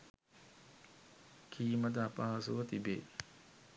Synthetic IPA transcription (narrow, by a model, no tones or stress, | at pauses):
kʰiːməd̪apaːsuɐt̪ibḛ